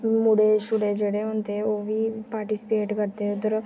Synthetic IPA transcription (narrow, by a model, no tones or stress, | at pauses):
mʊɽeʃʊɽed͡ʒeɽeɦõːnt̪eɛ̃oːbʱipaːɾʈisɪ̥peːʈkəɾt̪eɦɛ̃ʊt̪əɾ